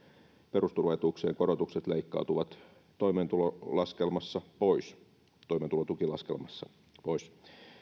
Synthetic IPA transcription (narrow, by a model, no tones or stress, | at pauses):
pe̞ɾust̪uruet̪ukseːŋko̞ɾot̪ukset̪leikːɑ̰ut̪uʋɑt̪ | t̪oimeːnt̪ulolɑskelmɑsːɑpo̞is | t̪o̞imeːnt̪ulot̪ukilɑske̞̰lmɑsːɑ | pois